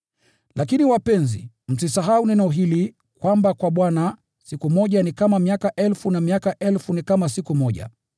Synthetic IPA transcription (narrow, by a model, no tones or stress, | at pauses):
lʔakiniwapɛnzḭ | m̩sisaɦaunɛnɔɦili | kwambakwaɓwana | sikumɔʄanikamamiakaʔɛlfunamiakaʔɛlfunikamasikumɔʄa̰